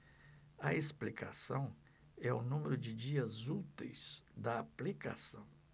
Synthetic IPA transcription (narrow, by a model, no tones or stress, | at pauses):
ɐesplika̰sɐ̃w̃ | ɛʊnũmeɾʊd͡ʒɪd͡ʒiɐzut̪ḛjz̥d̪ɐaplika̰sɐ̃w̃